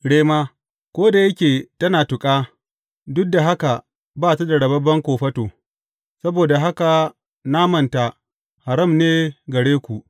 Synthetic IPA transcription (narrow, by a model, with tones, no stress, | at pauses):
ɽeː˦maː˦ | kʷoː˦da˨jɐ˦kʲeː˨tɐ˦naː˨tʊ˨kʼaː˦ | dʊ˦k̚da˨ɦa˦ka˨ | baː˦˨ta˦da˨ɽɐ˨bɐ˦bɐ˦ŋkʷoː˨ɸɐ˦toː˨ | sɐ˦boː˨da˨ɦa˦ka˨ | naː˦mɐ˨nta˨ | ha˨ɾɐ˦˨mneː˦ɡɐ˨ɽeː˦kʷu˨ʔ